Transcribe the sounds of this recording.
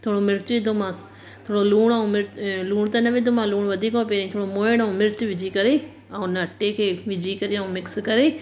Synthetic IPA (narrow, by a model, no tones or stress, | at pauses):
t̪ʰoːɽomɪɾt͡ʃɪd̪ʱomãːs | t̪ʰoːɽoluːɽ̃aũmɪɾluːɽ̃t̪ɐnɐʋɪd̪ʱomãluːɽ̃ʋɐd̪ʱiːkɔ̃peːɾaːĩt̪ʰoːɽomoːɪɽ̃aũmɪɾt͡ʃʋɪd͡ʑʱikɐɾe | ɛ̃ʊnɐʈekʰeːʋɪd͡ʑʱikɐɾeɐ̃ũmɪkskɐɾeː